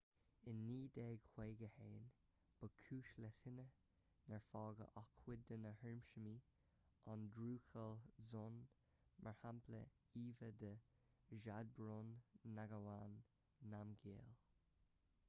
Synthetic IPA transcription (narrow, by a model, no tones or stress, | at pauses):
ɪnːiːd̪eːɡkʰweːɡəheːn | b̥əkʰuːʃlətɪnə | nɛɹfɑːɡə̰ʔɑkʰwɪd̪ənəhɛɹmʃəmiː | ʔɑndɾuːxəlzʊn | mʔəɹhampʰlə̰ | iːvəd̪əʒad̪̚bɾʊnːaɡəwanː | amɡeːl